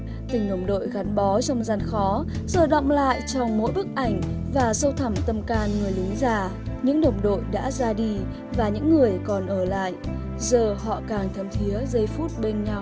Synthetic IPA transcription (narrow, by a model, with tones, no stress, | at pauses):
t̪ï˨˩ŋɗə˨˧˩wŋ͡mɗo̰˧˨jɣa˨˦nɓɔ˨˦t͡ɕɔ˧wŋ͡mza˧nxɔ˨˦zəː˨˩ɗɔ̰˧˨wŋ͡mla̰ː˧˨jt͡ɕɔ˧wŋ͡mmo̰˧˥jɓɨ˦˥k̚ʔa˧˩jŋ̟vaː˨˩sə˧wt̪ʰə˧˩mt̪ə˧mkaː˧nŋɨ˨˩əjlɨ˨˦ŋzaː˧˨˩ɲɨ̰˧˥ŋɗə˨˩wŋ͡mɗo̰˧˨jɗa̰ː˧˥zaː˧ɗi˧ | vaː˨˩ɲɨ̰˧˥ŋːɨ˨˩əjkɔ˨˩nʔəː˧˩la̰ː˧˨jʔ | zəː˨˩ɦɔ̰˧˨kaː˨˩ŋt̪ʰə˧˩mt̪ʰi˨˦əzə˧jfu˦˥t̚ɓe˧nɲa˧w